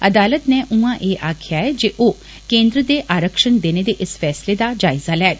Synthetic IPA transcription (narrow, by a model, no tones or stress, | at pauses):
ɐd̪aːlət̪neʔũãʔeːʔaːkʰjaɦɛd͡ʒeʔo | kẽːnd̪ɾəd̪eʔaːɾəkʃənd̪eːned̪eʔɪsfɛːsled̪ad͡ʒaːɪzalɛːt̪